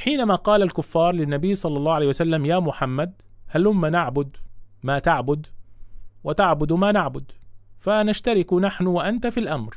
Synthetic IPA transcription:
ħiːnamaːqɑːlalkʊfːɑːɾˤlɪnːabɪjːsˤɑlːɑlˤːɑːhʕleːhjwasalːamjaːmʊħamːad̪̚ | halhʊmːanaʕbʊd̪maːt̪aʕbʊd̪ | wɪt̪aʕbʊd̪maːnaʕbʊd̪fanaʃt̪aɾɪkʊnaħnʊwaʔant̪afilʔamɾ

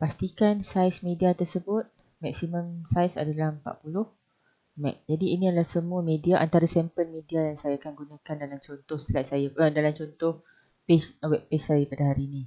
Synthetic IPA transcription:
past̪ikansajsmẽdiat̪ərsəbʊt̪̚ | mɛk̚simə̃msajsa̰dalahmpa̰ʔpulʊh | mɛ̰k̚d͡ʒadiːniadalahsəmũamẽdiaʔant̪aɾasɛmpəlmẽdiajaŋsajaːkanɡunãkandalamt͡ʃɔnt̪ɔhst̪əlat̪̚sajaədalamt͡ʃɔnt̪ɔh | peswɛp̚pessajapadaɦaɾiːnĩ

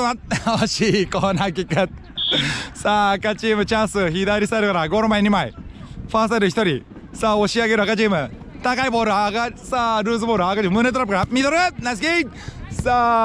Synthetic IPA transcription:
mat̪̚oɕiːkoːnakʲikːat̪̚ | saːkat͡ɕiːmɯ̟t͡ɕãsɨçid̪aɾʲisaeɾɯkaɾaɡoːɾomaiɲʲimai | ɸaːsaɾɯçi̥t̪o̞ɾʲi | saːo̞ɕiaɡe̞ɾɯakat͡ɕiːmɯ̟ | t̪akaiboːɾɯkasaːɾɯːzɨboːɾɯakat͡ɕiːmmɯːnet̪oɾapɯkaɾamʲit̪oɾɯnas̬ke | saː

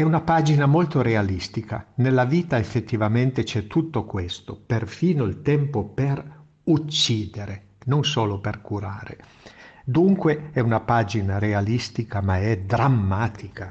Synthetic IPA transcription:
ɛunapaːd͡ʒinamolt̪oɾealist̪ika̰nelːaviːt̪aefːet̪ːivament̪et͡ʃɛt̪ːut̪ːokwest̪operfiːnoilt̪ɛmpoper | ut͡ʃːiːd̪eɾe | nonsoːloperkuɾaːɾḛ | d̪uŋkweɛunapaːd͡ʒinaɾealist̪ikamaɛd̪ɾamːaːt̪ʰika

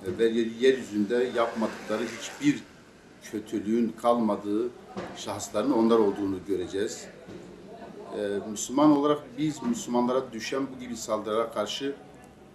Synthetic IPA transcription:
væɾjelijæɾjyzynd̪ɛjapmad̪ɯklˠaɾɯɦit͡ʃbiɾ | cʰø̞t̪ʰylʲyynkʰalˠmad̪ɯː | ʃaxslˠaɾɯno̞nlˠaɾo̞lˠd̪uːnuɟø̞ɾed͡ʒɛːz̥ | myslʲymano̞lˠaɾak̚bizmyslʲymanlˠaɾad̪yʃænbuɟibisalˠd̪ɯɾaɾakʰaɾʃɯ

